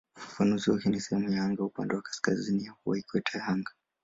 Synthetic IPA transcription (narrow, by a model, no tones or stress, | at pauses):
ufḁfanuziwakɛnisɛhɛmujahaŋɡaupandɛwakḁskazinijakuwaikwɛtʰahaŋɡa